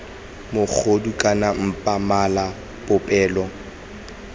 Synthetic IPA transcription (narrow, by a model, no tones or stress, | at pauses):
mʊk͡xʰodukʼanam̩pʼamala | pʊpʼɛːlɔ